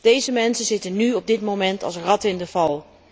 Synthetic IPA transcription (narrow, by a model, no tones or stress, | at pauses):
d̥ejzəmɛnsəzɪtənːyɔb̚dɪtmomɛntɑ̰lˠsrɑtɪndəvɑlˠ